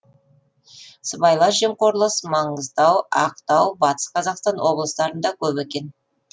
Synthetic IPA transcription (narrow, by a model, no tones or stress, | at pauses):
səbɑjlˠɑʒe̞mqoɾlˠəsmɑɴəzd̪ɑwɑ̰q̚t̪ɑwbɑt̪ə̥sqʰɑzɑqst̪ɑnwo̞blˠəst̪ɑɾənd̪ɑkʲʰɵpekʲe̞n